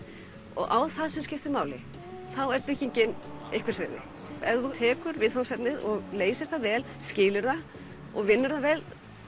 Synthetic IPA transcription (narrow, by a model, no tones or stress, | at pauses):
ɔ̰ɣʔa̰wθaðsɛmscɪft̪ɪɾmaːwlɪ | θawɛɾpɪcːiɲcɪnehkʰvɪɾ̥svɪːðɪ̰ | ɛvðut̪ʰɛːkʏɾvɪðhasɛp̪nɪðɔɣleːjsɪ̥t̪avɛːlscɪːlʏɾða | ɔɣvɪnːʏɾðavɛːl